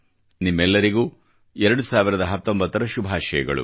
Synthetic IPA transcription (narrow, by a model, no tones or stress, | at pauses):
nimːɛlːɐɾiɡuː | ɛɾɐɽusaːʋiɾɐd̪ɐɦɐt̪ːombɐt̪ːɐɾɐʃubʱaːʃɐ̰jɐɡɐ̰ɭṵ